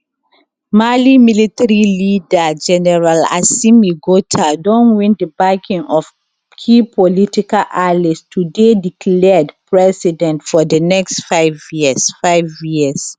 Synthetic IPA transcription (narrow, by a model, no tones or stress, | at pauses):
malimilitaɹilidad͡ʒɛnɛɹala̰simiɡotʰadɔ̃nwĩndəbakĩŋɔf | kʰipʰɔlitikalʔalistʰudedikʰlɛdpɹɛsidɛ̃ntfɔdənɛkstfaɪvjisfaɪvjiəs